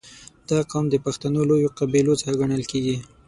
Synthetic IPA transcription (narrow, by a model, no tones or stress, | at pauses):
d̪̥ɑqɑmd̪əpaxt̪anolojoqabilot͡səxaɡaɳəlkeɡi